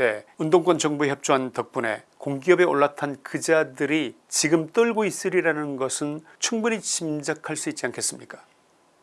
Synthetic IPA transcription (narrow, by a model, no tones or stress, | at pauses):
e̞undoŋk͈wʌnt͡ɕʌŋbueçjʌp̚t͡ɕ͈oɦantʌk̚p͈une̞̰ | koŋɡiʌbe̞oɭːatʰankɯd͡ʑadɯɾi | t͡ɕiɡɯmt͈ɯɭɡois͈ɯɾiɾanɯnɡʌsʰɯn | t͡ɕʰuŋbunit͡ɕimd͡ʑakʰaɭs͈uit̚t͡ɕ͈iankʰe̞s͈ɯmɲik͈ḁ